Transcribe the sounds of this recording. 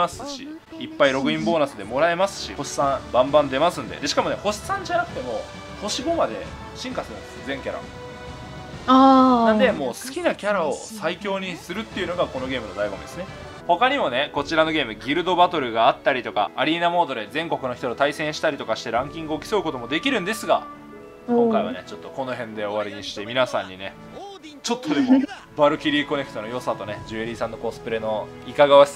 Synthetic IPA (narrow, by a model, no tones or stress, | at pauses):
asɨ̥ɕiː | pːaiɾo̞ɡɯ̟ĩmbo̞ːnasɨd̪e̞mo̞ɾae̞masɨ̥ɕḭoɕi̥sãbãmbãnd̪e̞masɨ̃nd̪ḛd̪e̞ɕi̥kamo̞ne̞ho̞ɕi̥sãɲ̟d͡ʑanakɯ̟̥t̪e̞mo̞ | ho̞ɕiɡo̞mad̪e̞̰ | ɕĩŋkasɨɾɯmeszẽ̞ŋkʲaɾa̰ | aːãnd̪e̞mo̞ːsɨ̥kʲinakʲaɾao̞saikʲo̞ːɲ̟isɨɾɯ̟t̪ːe̞iɯ̟no̞ɡako̞no̞ɡe̞ːmɯ̟no̞d̪aiɡo̞mɯ̰d̪e̞sɨne | ho̞kaɲ̟imo̞ne̞ko̞t͡ɕiɾano̞ɡʲe̞ːmɯ̟ɡʲiɾɯ̟d̪o̞bat̪o̞ɾɯ̟ɡaːt̪ːaɾʲit̪o̞ka̰aɾʲiːnamo̞ːd̪oɾezẽ̞ŋko̞kɯno̞çi̥t̪ɾot̪aisẽɰ̃ɕi̥t̪aɾʲit̪o̞kaɕi̥t̪e̞ɾãŋkʲĩŋɡɯ̟okʲi̥so̞ɯ̟ko̞t̪o̞mo̞d̪e̞kʲiɾɯ̟̃nd̪e̞sɨɡa | kõŋkaiβa̰ne̞t͡ɕo̞t̪ːo̞ko̞no̞ɦẽ̞nd̪e̞o̞βaɾʲiɲ̟iɕi̥t̪e̞mʲinasãɲ̟ːine̞ | t͡ɕo̞t̪ʰːo̞d̪e̞mo | baɾɯ̟kʲiɾʲiːko̞ne̞kɯ̟t̪onojo̞sat̪o̞ne̞d͡ʑɨeɾʲisãnːo̞ko̞sɨ̥pɯ̟ɾe̞no̞ikaɡaa